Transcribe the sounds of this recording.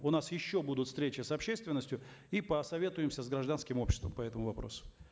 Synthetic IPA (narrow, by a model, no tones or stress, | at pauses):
ʊnasjɪɕːobud̪ʊt̪fst̪ɾʲet͡ɕɪsɐpɕːe̞st̪vʲɪnːəsʲtʲjʊ | ipəsɐvʲe̞t̪ʊjɪmsʲəzɡɾɐʐd̪anskʲɪmo̞pɕʲɪst̪və̰mpɐɛt̪əmʊvɐpɾo̰sʊ̥